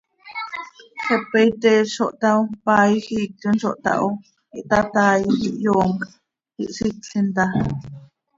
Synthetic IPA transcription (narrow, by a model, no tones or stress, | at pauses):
ɬopːejt̪eʃoʔt̪aʔopaːjxiːk̚t̪inʃoʔt̪a̰ʔo | iʔt̪at̪aːjxiʔjoːŋkʼ | ḭʔsitɬint̪a